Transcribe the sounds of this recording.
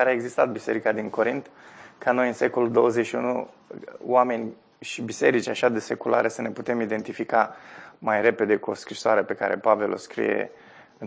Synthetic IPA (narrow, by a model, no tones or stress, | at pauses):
aɾeaeɡzist̪at̪̚bise̞̰ɾikad̪iŋko̞ɾint̪kʰano̞jɨnse̞ko̞luld̪o̞wəzeʃiunṵ | wame̞nʲ | ʃibise̞ɾit͡ʃʲaʃad̪ese̞kula̰ɾe̞səne̞put̪e̞mid̪e̞nt̪ifikamajre̞pe̞d̪e̞kuo̞̰skɾisoaɾe̞pe̞ka̰ɾe̞̰pave̞lo̞̰skɾḭje̞̰ | ɨn